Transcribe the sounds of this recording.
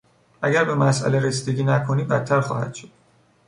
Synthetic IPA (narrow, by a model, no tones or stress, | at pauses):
ʔæɟæɾbe̞mæsʔæ̰leɾesiːd̪eɡiːnækʰo̞niːbæt̪ʰːæɾxɒ̰ːhæ̰d̪̥ʃod̪̥